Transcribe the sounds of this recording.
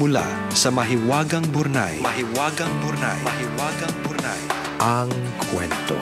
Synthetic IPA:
mʊla̰ | sɐmɐɦɪwaːɡɐŋbʊɾna̰jmɐɦɪwaːɡɐŋbʊɾna̰jmɐɦɪwaːɡɐŋbʊɾna̰j | ʔɐŋ | kʰwɛ̰nt̪o̰

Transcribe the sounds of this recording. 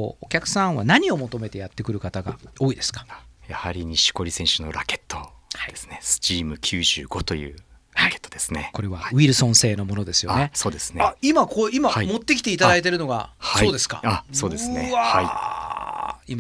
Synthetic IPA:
ookʲakɯ̟̥sãɰ̃βa̰naɲ̟io̞mo̞t̪o̞me̞t̪e̞jat̪ːe̞kɯ̟ɾɯ̟kat̪aɡa̰o̞ːid̪e̞sɨ̥kḁajahaɾʲiɲ̟iɕi̥ko̞ɾʲisẽ̞ɰ̃ɕɨno̞̰ɾake̞̥t̪ːo̞aid̥̪esɨ̥ne̞sɨ̥t͡ɕiːmɯ̟kʲʰɨːʑɨːɡo̞t̪o̞jɯ̟̰ː | ɾake̥t̪ːod̪e̞sɨneko̞ɾe̞βaβʲiɾɯ̟sõ̞ɰ̃se̞ːno̞mo̞no̞d̪e̞sɨjo̞ne̞so̞ːd̪e̞sɨ̥neimakoimahamo̞t̪ːe̞kʲi̥t̪eit̪ad̪ait̪e̞ɾɯ̟no̞ɡa̰haso̞ːd̪e̞sɨ̥ka̰aso̞ːd̪e̞sɨneahai | ima

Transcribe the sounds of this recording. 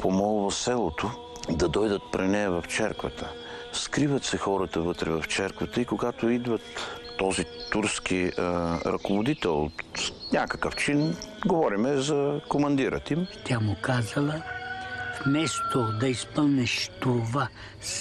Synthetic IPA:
pʰomɔlˠvəsɛlˠot̪o | d̪ɐd̪ɔjd̪ət̪̚pɾinɛɐvɐft͡ʃɛɾkvət̪ʰə | skɾivət̪sɛxɔɾət̪əvɤt̪ɾɛvɐft͡ʃɛɾkvət̪əikoɡat̪oid̪vɐt̪ː | ɔzit̪uɾsk̟iɾɐ̰kovod̪it̪ɛlˠo̰t̪nʲakə̥kəft͡ʃinɡovɔɾimɛzɐkomɐnd̪iɾʔə̰t̪imt̪ʲamʊkazɐlˠə | fmɛst̪od̪ɐispəlˠnɛʃt̪ova | s

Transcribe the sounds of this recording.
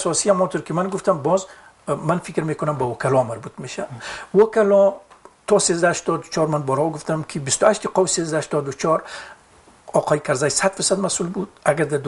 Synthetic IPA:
sɔsihamɔnt̪uɾkimanɡuft̪ambɔz | manfikɾmekʊnambawɔkʰalɔmaɾbut̪meʃawɔkalɔ | t̪ʰɔsezd̪ahaʃt̪ɔd̪ut͡ʃʰɔɾmanbɔɾhɔɡuft̪amkʰibist̪uaʃt̪iqɒwisezd̪ahaʃt̪ɔd̪ut͡ʃʰɔɾ | ɔːqʰɔjikʰaɾzajsad̪fiɾsad̪masulbud̪aɡaɾd̪ad̪

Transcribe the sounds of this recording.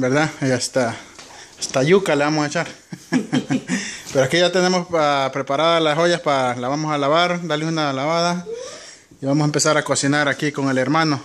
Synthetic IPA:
beɾðaiast̪a | ast̪ajukaleamoset͡ʃaɾ | peɾoakijat̪enemosapɾepaɾaðalaɦojaspaɾalaβamosalaβaɾlalunalaβaða | iβamosempesaɾakosinaɾakikoŋeleɾmano

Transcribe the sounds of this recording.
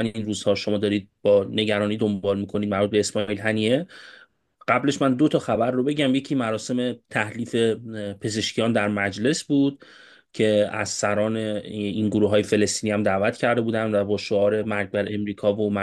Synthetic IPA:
æninɾuːz̥hɒːʃo̞mɒːd̪ɒːɾiːd̪̚b̥ɒːne̞ɟæɾɒːniːd̪ombɒːlmiːkʰo̞nid̪̚mæɾbut̪̚beesmɒilɦæniːe | ɢ̥æble̞ʃmænd̪o̞t̪ʰɒxæbæɾːo̞be̞ɟæmje̞cʰimæɾɒːse̞me̞t̪ʰæhliːfe̞pʰe̞ze̞ʃcʰijɒːnd̪æɾmæd͡ʒle̞sbuːd̪̥̚ | cʰe̞æz̥sæɾɒːneinɡoɾuːɦɒːjefe̞le̞st̪iːnihæmd̪æːvæt̪ʰcʰæɾd̪e̞buːd̪ænd̪væbɒːʃo̞ɒːɾe̞mæɾɡbæɾe̞mɾiːkʰɒːvomæ

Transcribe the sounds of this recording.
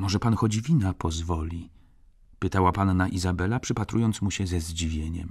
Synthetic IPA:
mɔʐɛpanxɔd͡ʑvʲinapʰɔzvɔlʲi | pɘt̪awapanːaʔizabɛlapʂɘpat̪ɾujɔnt̪smuɕɛzɛzd͡ʑivʲjeɲɛ̰m

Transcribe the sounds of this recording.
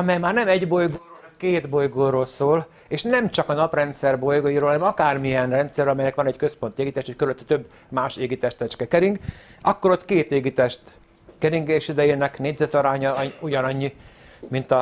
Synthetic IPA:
ɒmɛjmaːrnɛmɛɟbo̞jɡoːroːlɛmkeːd̪bo̞jɡoːɾoːlsoːl | eːʃnɛmt͡ʃɒkɒnɒprɛnt̪sɛrbojɡojiɾoːlhɒnɛmɒkaːrmijɛnrɛnt̪sɛrølɒmɛjnɛkʋɒnɛɟkøspo̞nt̪ieːɡit̪eːʃhockøɾyløt̪ːɛ̥t̪øbː | maːʃeːɡit̪ɛʃt̪ɛt͡ʃkɛkɛɾiŋɡɒkːo̞ɾo̞t̪ːkeːt̪eːɡit̪ɛʃt̪ | kɛɾiŋɡeːʃid̪ɛjeːnɛkneːɟzɛt̪oɾaːɲɒujɒnɒɲːi | mint̪ɒ

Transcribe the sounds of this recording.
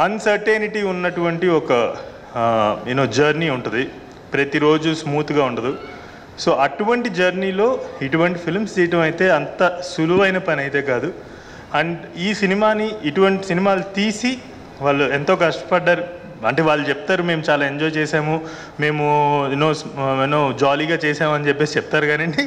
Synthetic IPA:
ɐnsɐɾʈeːniʈiːunːɐʈuʋɐɳʈiɔkɐ | inoːd͡ʒɐɾniːuɳʈund̪i | pɾɐt̪iɾo̞ːd͡ʒusmuːt̪uɡaːuɳɖɐd̪u | so̞ːʔɐʈuʋɐɳʈid͡ʒɐɾniːlo̞ːiʈuʋɐɳʈipʰilmsd͡ʒiːʈɐmɐjit̪e̞ːɐnt̪ɐsuluʋɐjnɐpɐnɐjt̪e̞ːkaːd̪u | ɐɳɖiːsinimaːniiʈuʋɐɳʈisinimaːlut̪iːsi | ʋaːɭːuent̪o̞ːkɐʂʈɐ̥pɐɖːaːɾu | ɐɳʈ̬e̞ːʋaːɭːut͡ʃɛp̚t̪aːɾume̞ːmut͡ʃaːlaːe̞ɲd͡ʒɔːjt͡ʃɛːsaːmu | me̞ːmuenoːsenoːd͡ʒaːliːɡaːt͡ʃɛːsaːmuɐnit͡ʃɛpːesit͡ʃɛp̚t̪aːɾuɡaːnɐɳɖi

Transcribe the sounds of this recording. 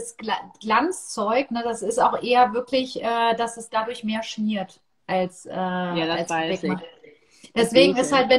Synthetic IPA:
sɡɡ̥lant͡st͡sɔʏknədasɪstaʊxʔeːɐvɪɐkʰlɪçʔɛːd̥asɛsd̥adʊɐçmeːɐʃniːɐt | ʔalsʔɛːalsvɛkma | d̥ɛsv̥eːɡŋ̩ɪsthaltvɛ

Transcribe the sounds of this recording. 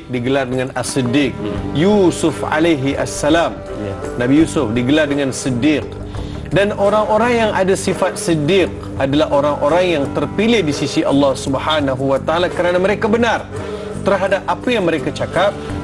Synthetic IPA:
diɡəlardəŋanasidɪk̚jusʊfa̰lajɦiʔa̰sːalam | nabijusʊfdiɡəlardəŋansidɪq̚ | danoɾaŋoɾaŋjaŋʔadasifat̪̚sidɪq̚ | adalaɦʔoɾaŋʔoɾaŋjaŋt̪ərpilɪhdisisiʔɑ̰lːɑhsubhanaɦuwat̪aalakəɾanaməɾekabənar | t̪ərɦadap̚ʔapajaŋməɾekat͡ʃakap̚

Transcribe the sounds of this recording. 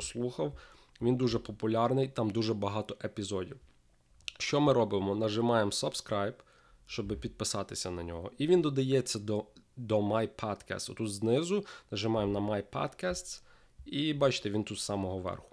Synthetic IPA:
slˠuxɐw | ʋʲind̪uʒɛpɔpʊlʲɑrnɪjt̪ɑmd̪uʒɛbɐɦɑt̪ɔʔepʲizɔdʲiw | ʃt͡ʃɔmɪɾɔbɪmɔnɐʒɪmɑjemsɔbskɾɑjb | ʃt͡ʃɔbɪpʲid̪̚pɪsɑt̪ɪsʲɐnɐnʲɔ̰ɦɔ̰ʔiʋʲind̪ɔd̪ɐjɛt͡sʲːɐd̪ɔd̪ɔmajpʰad̪kɛ̰st̪ʊt̪ut̪znɪzʊnɐʒɪmɑjemnɐmajpa̰t̪kɛst̪s | ibɑt͡ʃt̪ɛʋʲint̪ut̪ssɑmɔɦɔʋɛ̰rxʊ̥

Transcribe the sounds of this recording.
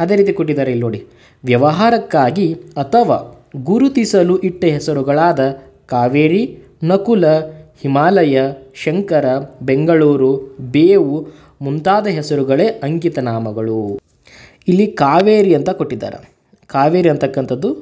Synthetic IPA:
ɐd̪eːɾiːt̪̬ikoʈːid̪aːɾɐilnoːɽi | ʋjɐʋɐɦaːɾɐkːaːɡiɐt̪ʰɐʋa̰ː | ɡuɾut̪isɐluʔiʈːɐɦɛsɐɾuɡɐɭaːd̪ɐ | kaːʋeːɾi | nɐkulɐhimaːlɐjɐʃɐŋkɐɾɐbeŋɡɐɭuːɾubeːʋu | munt̪aːd̪ɐɦɛsɐɾuɡɐɭeʔɐŋɡit̪ɐnaːmɐɡɐɭu | ilːikaːʋeːɾiɐnt̪ɐkoʈːid̪a̰ːɾɐ̰ | kaːʋeːɾiɐnt̪ɐkːɐnt̪ɐd̪ːu

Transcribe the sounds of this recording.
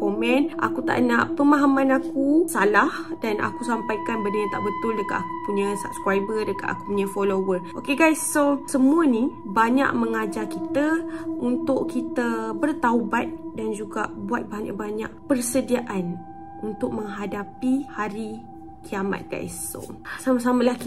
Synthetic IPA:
komɛ̃nʔa̰kut̪a̰ʔnaʔpəmaɦamãnakusalahdanʔa̰kusampajkanbədəjət̪a̰ʔbət̪ʊldəkat̪aku̥puɲəsa̰b̚skɾajbərdəka̰t̪a̰kupuɲə̃folowərʔokeɡajsːosəmũəni | baɲa̰ʔməŋad͡ʒakit̪əunt̪ʊʔkit̪əbərt̪aubat̪̚dand͡ʒuɡa̰ʔbuat̪̚baɲa̰baɲa̰ʔ̚pərsədiaʔan | unt̪ʊʔ̚məŋɦadapihaɾi | kʰiama̰t̪̚ɡ̥a̰j̰so̰samas̬aməlahki

